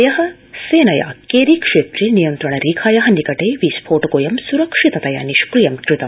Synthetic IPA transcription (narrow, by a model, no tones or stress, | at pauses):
jɐɦɐ̆ | seːnɐja̰ːkeːɾikʂeːt̪ɾinijɐnt̪ɾɐɳɐɾiːkʰaːjɐɦɐ̆nikɐʈeːʋiːspʰoːʈɐkoːjɐmsuɾɐkʂit̪ɐt̪ɐja̰ːniʃkɾijɐmkɾit̪ɐm